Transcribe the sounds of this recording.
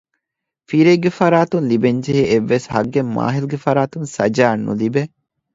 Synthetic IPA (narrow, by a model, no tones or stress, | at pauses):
fiɾeɡefɐɾaːt̪unlibeɲd͡ʒeɦeʔeʋːeshɐɡːemːa̰ːɦiluɡefɐɾaːt̪unsɐd͡ʒaːnːṵlibe